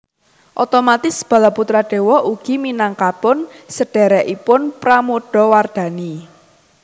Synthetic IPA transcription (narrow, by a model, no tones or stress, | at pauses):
ʔɔt̪omat̪ɪsb̥ä̤laput̪ɾaɖ̥e̤wɔʔuɡ̥i̤minaŋkapʊnsəɖ̥ɛ̤ɾɛʔipʊnpɾamoɖ̥ɔ̤ward̪̥a̤ni